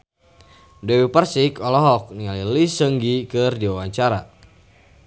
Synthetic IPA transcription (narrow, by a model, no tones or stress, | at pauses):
dɛwipərsikɔlɔɦɔk̚niŋalilisəŋɡikɨrdiwawaɲt͡ʃaɾa̰